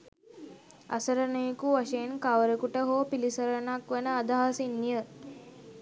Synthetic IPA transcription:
a̰səɾənəjekuʋaʃejenkaʋɾəkuʈəɦoːpilisəɾənakʋenəad̪aɦasinːijə

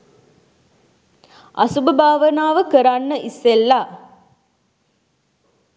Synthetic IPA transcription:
ʔɐsubəbʱaːʋənaːʋəkəɾanːəʔisːelːaː

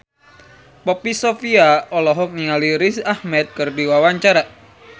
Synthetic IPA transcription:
pɔpisofiaɔlɔɦɔk̚niŋaliɾisahmɛt̪̚kɨrdiwawaɲt͡ʃaɾa

